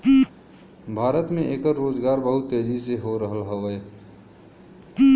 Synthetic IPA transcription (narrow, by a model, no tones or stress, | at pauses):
bʱaːɾət̪mẽʔeːkəɾɾoːd͡ʒɡaːɾbəɦʊt̪ːeːd͡ʒiseɦoɾəɦəlɦəʋə